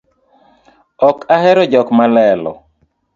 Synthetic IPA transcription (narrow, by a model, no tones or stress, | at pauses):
ɔkahɛɾɔd͡ʒɔkmalɛlɔ̰